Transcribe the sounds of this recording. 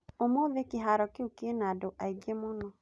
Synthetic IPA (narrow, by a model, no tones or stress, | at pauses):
omoðekeɦaɾɔkeukenaːdoʔaiɡemonɔ